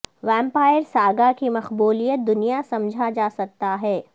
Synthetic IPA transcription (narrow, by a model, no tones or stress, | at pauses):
ʋɛ̃ːmpaːjəɾsaːɡakimɐxbuːlijət̪̚d̪ʊnijasɐ̃md͡ʒʱad͡ʒaːsɐk̚t̪aɦɛː